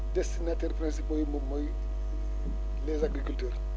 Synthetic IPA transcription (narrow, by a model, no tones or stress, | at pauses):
destinatɛɾpɾɛ̃nsipojmomɔj | lezaɡɾikultøːɾ